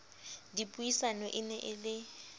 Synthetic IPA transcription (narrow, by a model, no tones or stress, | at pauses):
dipʼujisanɔʔɪnɛʔɪlɪ